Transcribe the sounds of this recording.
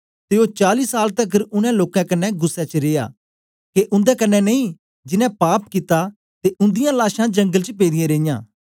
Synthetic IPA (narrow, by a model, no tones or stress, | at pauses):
t̪eːot͡ʃaːliːsaːlt̪ɐkɾʊnɛ̃loːkãkɐnːɛɡʊsːɛt͡ʃɾeːja̰ː | keʔʊ̃nd̪ɛkɐnːɛnɐĩ | d͡ʒɪnɛ̃paːpkɪt̪a | t̪eʊ̃nd̪ɪjãlaːʃãd͡ʒɐ̃ŋɡəlt͡ʃpeːd̪ɪjẽɾeːɪjã̰ː